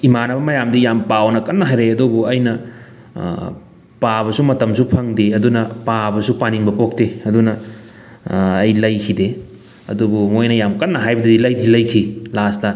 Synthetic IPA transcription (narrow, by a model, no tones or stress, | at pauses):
imanɐbɐmɐjamdijampawnɐkɐnːɐɦajɾeɐdubuɐjnɐ | pabɐsumɐtɐmsupʰɐŋdiɐdunɐpabɐsupaniŋbɐpok̚teɐdunɐ | jlɐjkʰide | ɐ̰dubumojnɐjamkɐnːɐɦajbɐdɐdilɐjdilɐjkʰilastɐ